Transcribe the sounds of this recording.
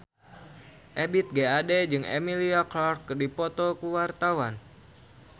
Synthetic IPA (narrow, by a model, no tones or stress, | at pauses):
ʔebit̪̚ɡeadɛd͡ʒɨŋḛmiliaklɔrkːdipɔt̪ɔkuwart̪awan